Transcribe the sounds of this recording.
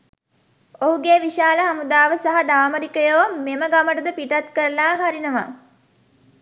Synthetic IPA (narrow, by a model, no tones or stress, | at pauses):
oɦuɡeːʋiʃaːləɦamud̪aːʋəsaɦad̪aːməɾikəjoːmːeməɡaməʈəd̪əpiʈat̪kəɾəlaːɦaɾinəʋa̰